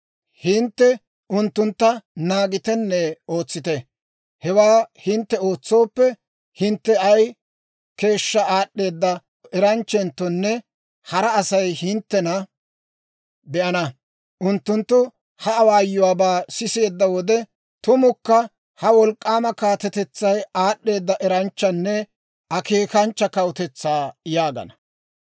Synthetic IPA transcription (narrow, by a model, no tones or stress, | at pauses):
hɪnt̪ːɛ | ʔʊnt̪ːʊnt̪ːɐnaːɡɪt̪ɛnːɛo̞ːt͡sːɪt̪ɛ | hɛwaːhɪnt̪ːɛo̞ːt͡sːo̞ːpːɛ | hɪnt̪ːɛɐj | ke̞ːʃːɐaːɗːe̞ːd̪ːɐ | ɛɾɐnt͡ʃːɛnt̪ːɔnːɛ | hɐɾɐːsɐjhɪnt̪ːɛnɐ | bɛʔɐnɐ | ʔʊnt̪ːʊnt̪ːʊ | hɐɐwaːjːʊwaːbaːsɪse̞ːd̪ːɐwɔd̪ɛ | t̪ʊmʊkːɐ | hɐwɔlkʼːaːmɐkaːt̪ɛt̪ɛt͡sːɐjaːɗːe̞ːd̪ːɐʔɛɾɐnt͡ʃːɐnːɛ | ʔɐke̞ːkɐnt͡ʃːɐkɐwʊt̪ɛt͡sːaːjaːɡɐ̰nɐ